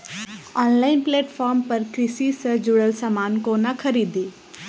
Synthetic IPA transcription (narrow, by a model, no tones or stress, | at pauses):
ɔːnlaːɪnpleːʈfʰɔːɾmpɐɾkɾɪsisəd͡ʒʊɽəlsamaːnkonakʰəɾiːd̪iː